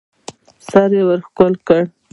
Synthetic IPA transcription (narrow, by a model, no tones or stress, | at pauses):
saɾjewəɾxkʊlkəɽ